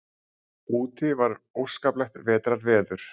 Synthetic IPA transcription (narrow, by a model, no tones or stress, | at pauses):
uːt̪ɪvaɾowskaːplɛxt̪vɛːt̪ɾaɾvɛːðʏɾ̥